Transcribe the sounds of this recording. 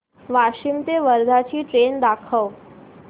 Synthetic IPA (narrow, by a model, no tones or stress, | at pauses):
ʋaʂimt̪eʋəɾd̪ʱat͡ɕiːʈɾend̪akʰəʋ